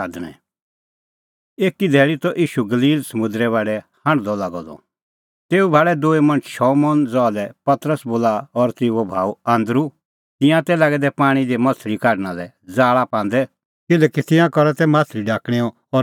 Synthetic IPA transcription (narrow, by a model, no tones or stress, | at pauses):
aːd̪ñɛ̰̃ | eːkid̪ʱɛːɭit̪ɔʔiːʃuɡɐliːlsɐmʊ̃d̪ɾɛβaːɖɛhãɽ̃d̪ɔlaɡɔd̪ɔ̰ | t̪eːubʱaːɽɛd̪oːemɐ̃nt͡ʃʃɔːmɔːnd͡zɔalɛpɐt̪ɾəsboːlaɔɾt̪ɪuobʱaːuãːnd̪ɾu | t̪ɪ̃jãt̪ɛlaːɡɛd̪ɛpaːɽ̃id̪emɐt̪ʰɾikaːɖnalɛ | d͡zaːɭapãːn̆d̪ɛ | kɪlɛːkit̪ɪ̃jãkɔɾat̪ɛmaːst̪ʰɾiɖaːkɽ̃iɔ | ɔ